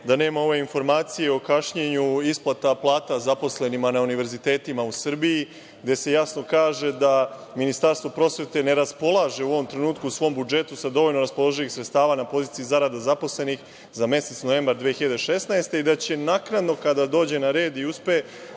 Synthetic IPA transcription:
d̪ane̞ːmao̞ʋe̞info̞ɾmaːt̪sijeo̞kaʃɲeɲuisplˠat̪aplˠaːt̪azapo̞sle̞nimanauniʋe̞ɾzit̪e̞ːt̪imausr̩biji | ɡd̪e̞se̞jasno̞kaːʒe̞d̪aminist̪aɾst̪vo̞pɾo̞sʋe̞t̪e̞ne̞ɾaspo̞lˠaːʒe̞uo̞ʋo̞mt̪ɾe̞nuːt̪̚kuːsʋo̞ːmbud͡ʒe̞t̪usad̪o̞ʋo̞lno̞ɾaspo̞lˠo̞ʒilixsɾet̪st̪aːʋaːnapo̞ziːt̪iizaɾad̪azapo̞sle̞nix | zame̞se̞t̪snoʋe̞ːmbɾaɾd̪ʋeexiʎad̪eʃe̞snaest̪e̞id̪at͡ɕe̞naknad̪no̞kad̪ad̪o̞ːd͡ʑe̞naɾe̞ːd̪iuspee

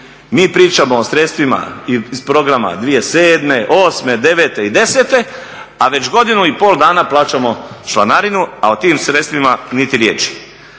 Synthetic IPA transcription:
miːpɾiːt͡ʃamo̞ːsɾe̞t̪st̪ʋima̰izpɾo̞ɡɾama̰d̪ʋije̞seːd̪me̞ʔo̞ːsme̞d̪e̞ʋeːt̪e̞id̪e̞se̞t̪e̞ | aʋe̞t͡ʃɡo̞d̪inuipo̞ːld̪aːnaplˠaːt͡ʃamo̞ʃla̰naɾinua̰ot̪iːmsɾet̪st̪ʋimanit̪iɾjeːt͡ʃi̥

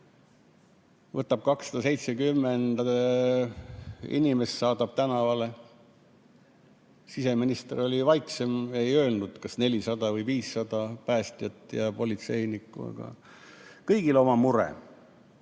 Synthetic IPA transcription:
vɤt̪ːˑɑb̥̚kɑksːɑ̥d̪̥ɑse̞jt̪sekymːend̪̥ɑ | ḭnimesːɑːd̪ɑb̥̚t̪ænɑvɑle̞ | sise̞minist̪eɾo̞lʲivɑjkse̞me̞jø̞ːlnud̪̥kɑsne̞lʲisɑd̪̥ɑvɤjviːsːɑd̪̥ɑpæːst̪jɑt̪ːˑjɑpo̞lit̪se̞jnikːˑṵɑ̰ɡ̥ɑ̰ | kɤjɡ̥ileo̞mɑmuɾḛ

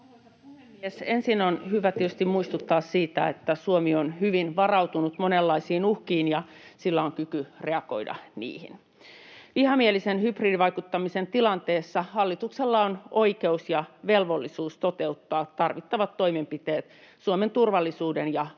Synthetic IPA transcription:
memiesensinonhyʋæt̪iet̪yst̪immuist̪ut̪ːɑːssiːt̪æet̪ːæsuomionhyʋinʋɑrɑut̪unut̪monelːɑisiːnuhkiːnjɑsilːæoŋkykyreɑko̞̰idɑ̰nḭːhḭn | ʋihɑmielisenhypriːdiʋɑikut̪ːɑmisent̪ilɑnt̪eːsːɑhɑlːit̪ukselːɑonoikeusjɑʋelʋolːisuːst̪ot̪eut̪ːɑːtt̪ɑrʋit̪ːɑʋɑt̪ːo̞imempit̪eːt̪suoment̪urʋɑlːisuːdenjɑ

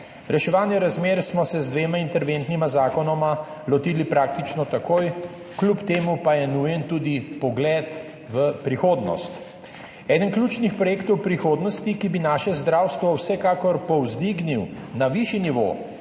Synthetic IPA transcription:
ɾɛʃɛʋaːnjɛɾazmeːɾsmɔsɛzd̪ʋeːmaint̪ɛɾʋent̪nimazaːkɔnɔmalɔt̪iːlipɾaːk̚t̪it͡ʃnɔt̪akoːj | klupt̪eːmupajɛnujɛnt̪uːd̪ipɔɡlɛːt̪ | ʋəpɾixoːd̪nɔ̰st̪ | ɛːd̪ənklʲuːt͡ʃnixpɾɔjeːkt̪ɔwpɾixoːd̪nɔst̪ikibinaːʃɛzd̪ɾaːwst̪ʋɔwsɛkaːkɔɾpɔwzd̪iɡniw | naʋiʃiniʋo̰

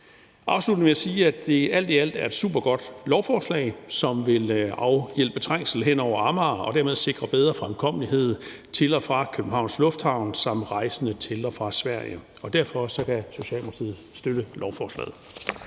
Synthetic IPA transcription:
ʔɑ̈ʊslud̥ʋiæsiːæd̥e̝æl̰d̥iæl̰d̥æɐe̝d̥sṵːb̥ɐɡ̥ɒ̽d̥lɒʊfɒːslɛ̰ɪsɒ̽mʋe̝lɑ̈ʊjel̰b̥ət͡sʰʁaŋ̰sl̩ɦen̰ɒʊ̰ɐɑ̈mɑːɒ̽d̥æɐ̰meðˠse̝ɡ̥ʁɐb̥eð̞ˠʁɐfʁamkʰɒ̽m̰əliɦe̝ð̞̰ˠ | t͡sʰe̝lɒ̽fʁɑ̈kʰøb̥̩ɦɑ̈ʊnslɔ̽fd̥hɑ̈ʊ̰nsɑ̈m̰ʁɑ̈ɪsənət͡sʰe̝lɒfʁɑ̈sʋæɐ̰jə | ɒ̽d̥æɐfɒ̽sɒ̽kʰæso̝ɕɛ̰ldmempʰt͡sʰḭð̩ˠsd̥øɾ̥əlɒʊfɒːslɛ̰ːð̩ˠ

